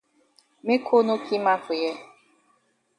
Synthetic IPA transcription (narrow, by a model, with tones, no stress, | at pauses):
me˦kʰo˦no˦kʰi˦ma˦fʊ˨je˦